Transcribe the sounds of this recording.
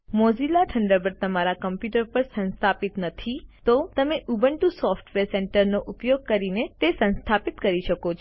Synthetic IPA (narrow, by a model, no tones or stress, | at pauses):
mozilaʈʰəɳɖəbəɾt̪əmaɾakəmpjuʈəɾpəɾsə̃nst̪ʰapit̪nət̪ʰit̪ot̪əmeʔubəɳʈusɔfʈʋeɾseɳʈəɾnoʔʊpjoɡ̚kəɾinet̪esə̃nst̪ʰapit̪kəɾiʃəkot͡ʃʰ